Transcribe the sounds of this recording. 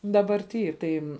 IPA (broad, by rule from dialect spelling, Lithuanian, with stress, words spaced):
dɐbɐrʲˈtʲiː ˈtɐɪ